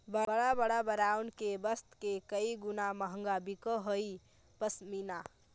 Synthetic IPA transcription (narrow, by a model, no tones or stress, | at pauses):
bəbəɽabəɽabəɾawnkebəst̪kekəiɡunaməɦəŋɡabikəɦoi | pəsmina